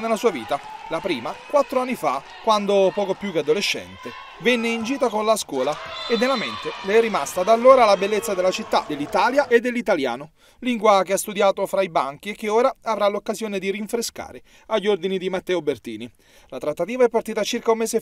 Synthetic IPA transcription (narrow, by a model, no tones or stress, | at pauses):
nelasuːaviːt̪alapɾiːmakwat̪ːɾoanːifa | kwand̪opɔːkopjuk̟ead̪oleʃːɛ̰nt̪e | venːeind͡ʒiːt̪akonlaskwɔːlaed̪nːelːament̪eleɛrːimast̪ad̪alːoːɾalabelːet̪sːad̪elːat͡ʃit̪ːa̰d̪elːit̪aːljaʔed̪ːelːit̪alja̰ːno | liŋɡwak̟east̪ud̪jaːt̪ofɾaibaŋk̟iekːeoːɾaavɾalokːazjoːned̪iɾiɱfɾeska̰ːɾe | aʎːord̪inid̪imat̪ːɛːobert̪ḭːni | lat̪ɾat̪ːat̪iːvaɛpːart̪iːt̪at͡ʃirkaumːɛːse